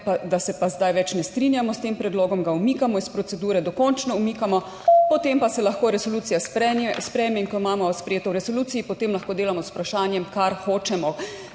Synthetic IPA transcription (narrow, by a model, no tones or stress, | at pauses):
pad̪asɛpazd̪ajʋɛt͡ʃnɛst̪ɾinjamɔst̪empɾɛd̪loːɡɔmɡaumiːkamɔispɾɔt̪sɛd̪uːɾɛd̪ɔkɔnt͡ʃnɔumiːkamɔ | pɔt̪empasɛlaxkoːɾɛsoluːt̪sijaspɛɛspɾɛːjmɛiŋkɔmaːmɔspɾɛjeːt̪ɔwɾɛsoluːt̪sijipɔt̪eːmlaxkoːd̪eːlamɔsu̥pɾaʃaːnjɛmkaɾxoːt͡ʃɛmɔ